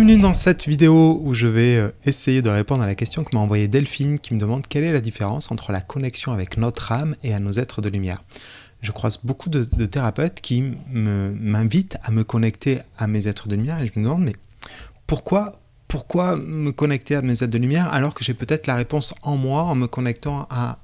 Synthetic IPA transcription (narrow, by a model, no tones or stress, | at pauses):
jɛ̃vənyd̪ɑ̃sɛt̪vid̪eouʒəvɛøesejed̪əʁepɔ̃d̪ʁalakʲɛst̪jɔ̃kəmɑ̃vwajed̪ɛlfinkʲiməd̪əmɑ̃d̪kʲɛlɛlad̪ifeʁɑ̃sɑ̃t̪χəlakɔnɛksjɔ̃avɛknɔt̪χameanozɛt̪χəd̪əlymjɛ̰ːʁ | ʒəkχwazbokud̪əd̪ət̪eʁapøt̪kʲiməmɛ̃vit̪aməkɔnɛkt̪eamezɛt̪χəd̪əymjɛʁeʒəməd̪əmɑ̃d̪mɛ | puʁkwa | puʁkwaməkɔnɛk̚t̪eamezɛt̪̚d̪əlymjɛʁa̰lɔʁkəʒepøt̪ɛt̪χəlaʁepɔ̃sɑ̃mwaɑ̃məkɔnɛk̚t̪ɑ̃a